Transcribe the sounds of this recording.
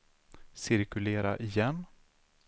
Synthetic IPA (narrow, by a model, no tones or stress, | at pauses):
sɪɾkɵleːɾa̰ʔɪjɛnː